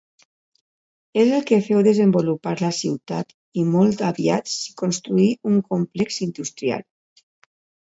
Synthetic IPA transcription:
ezelˠkefɛwðezembolupaɾlasiwt̪at̪ | imɔlˠt̪aβiat͡si̥konst̪ɾuiuŋkomplɛksind̪ust̪ɾia̰l

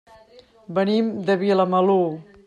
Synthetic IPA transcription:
bənimd̪əβiləməlo

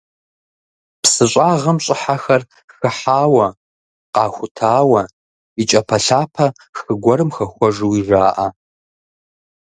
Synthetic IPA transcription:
psɨɕʷʼaːʁɐmɕʼɪħaxɐr | xɨħaːwɐ | qɑːxʷʊtʰaːwɐ | it͡ʃʼɐpʰɐɬaːpʰɐ | xɨɡʷɔɾɨmxɐxʷɔʐɨwiʐaːʔa

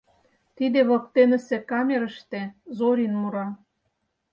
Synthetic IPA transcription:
t̪id̪ĕβɤ̆k̚t̪enə̆sĕkɑmʲeɾə̆ʃt̪ezoɾʲinmuɾɑ

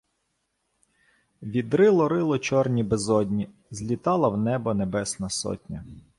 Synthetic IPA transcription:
ʋʲid̪ɾɪlˠɔɾɪlˠɔt͡ʃɔrnʲibezɔdʲnʲi | zʲlʲit̪ɑlˠɐwnɛbɔnebɛsnɐsɔ̰tʲnʲɐ

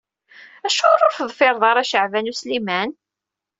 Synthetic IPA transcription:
æʃoɾˤoɾfðˤfɪɾˤðˤɑɾˤæʃəʕvænuslimæn

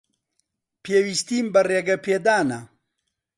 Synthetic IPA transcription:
peːwist̪iːmbɐreːɡɐpʰeːd̪aːnɐ

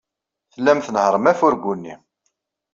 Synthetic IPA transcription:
θəlːæmθənhɾˤəmæfʊɾɡunːi

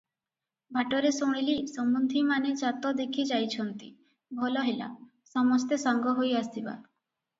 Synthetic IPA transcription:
bʱaʈɔɾesɔɽ̃ilisɔmbund̪ʱimaned͡ʒat̪ɔd̪ekʰid͡ʒajt͡ʃʰɔnt̪ḭ | bʱɔlɔɦela̰ | sɔmɔst̪esaŋɡɔɦojast̪iba̰

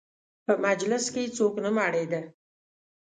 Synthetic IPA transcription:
pəmad͡ʒlɪsket͡soknəmaɽed̪ə

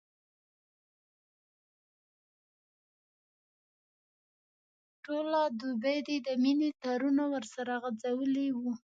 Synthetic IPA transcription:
ʈolad̪ubejd̪ed̪əminet̪ɑɾunawəɾsaɾaɣad͡zawəliwu

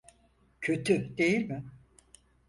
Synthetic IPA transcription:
cʰø̞t̪ʰyd̪e̞jilʲmɪ

